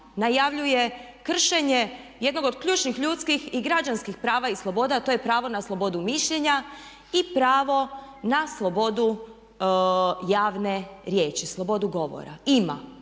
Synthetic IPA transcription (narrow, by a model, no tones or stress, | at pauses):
najaʋʎuje̞ | kr̩ʃeɲeje̞d̪no̞ɡod̪kʎuːt͡ʃnixʎuːt̪skixiɡɾad͡ʒanskixpɾaːʋaislˠo̞bo̞ːd̪at̪o̞jepɾaːʋo̞naslˠo̞bo̞d̪umiʃʎeɲa | ipɾaːʋo̞naslˠo̞bo̞d̪u | jaːʋne̞ɾje̞ːt͡ʃislˠo̞bo̞d̪uɡo̞ʋo̰ɾa̰ima̰